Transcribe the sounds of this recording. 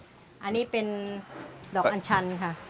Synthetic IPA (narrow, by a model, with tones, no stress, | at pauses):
ʔa˧nːiː˦˥pe˧n | dɔː˨˩ʔa˧nt͡ɕʰa˧nkʰa˦˥˩